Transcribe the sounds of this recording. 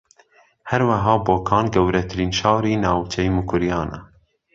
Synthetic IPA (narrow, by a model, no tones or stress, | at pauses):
hɛɾwɐɦɑːboːkʰɑːnɡɛwɾɛt̪ʰɨɾiːnʃɑːɾiːnɑːwt͡ʃʰɛjimukʊɾijɑːnʔa̰